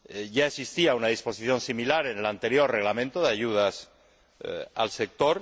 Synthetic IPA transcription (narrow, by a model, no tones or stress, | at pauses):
ʝaesist̪iaunaðispo̞siθjõ̞nsimilaɾe̞ne̞lant̪e̞ɾjo̞rre̞ɣlamẽnt̪oðeaʝuð̞as | a̰lse̞k̚t̪o̞ɾ